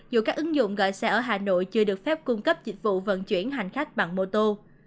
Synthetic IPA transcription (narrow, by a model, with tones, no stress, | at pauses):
zu˨˧˩kaː˦˥k̚ʔɨ˨˦ŋzʊ̰˧˨ŋ͡mɣɔ̰ː˧˨jsɛ˧ʔəː˧˩ɦaː˨˩no̰˧˨jt͡ɕɨ˧əɗɨ˨˩ək̚fɛ˦˥p̚kʊ˧ŋ͡mkə˦˥p̚t͡ɕï˨˦˥ŋ̟̚vṵ˧˨və̰˧˨nt͡ɕwḭ˧˩ənɦa˨˩jŋ̟xa˦˥jk̟̚ɓa˧˨˩ŋmo˧t̪o˧